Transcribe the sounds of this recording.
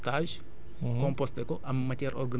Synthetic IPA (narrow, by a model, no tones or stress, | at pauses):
t̪aʒ | kɔ̃mpost̪ekoʔammːɐtɛɾɔ̰rɡɐn